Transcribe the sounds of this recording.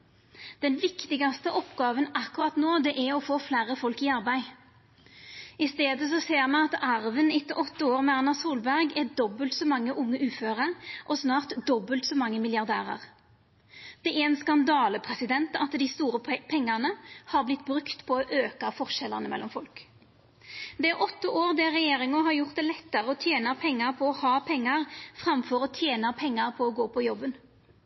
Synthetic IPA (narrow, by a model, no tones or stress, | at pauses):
d̪̥ɛnʋɪkt̪ɪɡɑst̪əʔɔpɡɑːʋənɑkʉʁɑt̪noːd̪ɛʔæʁɔfoːflæːʁəfɔlkiɑʁbæɪ | ɪst̪eːd̪əs̬ɔseːʁmɑnɑt̪ɑʁʋənɪt̪ːəʔɔt̪ːəoːʁmɛɑʁnɑsuːlbæʁɡɛd̪ɔbəlt̪sɔmɑŋːəʔʊŋːəʔʉːføːʁəʁʔɔsnɑːʁt̪d̪ɔbːəlt̪sɔmɑŋːəmɪljɑʁd̪æ̰ːʁɑ̰ʁ | d̪̥ɛʔæɾɛnskɑnd̪ɑːləpʰʁɛsɪd̪ɛnt̪ɑt̪d̪ɪst̪uːʁəpʰɛŋːɑʁnəhɑʁblɪt̪ːbʁʉkt̪pʰɔɔʔøːkɑfɔʁʃɛləʁnəmɛ̰lːɔmfɔlk | d̪ɛæʁʔɔt̪ːəʔoːʁd̪æʁɛjeːʁɪŋʊɦɑʁjʊʁt̪̚d̪ɛlɛt̪ːəʁəɔt̪ʰjeːnɑpʰɛŋːɑʁpʰɔɔhɑːpʰɛŋːɑʁfʁɑmfɔʁɔt̪ʰjeːnɑpʰɛŋːɑʁpʰɔɔɡoːpʰɔjɔbːən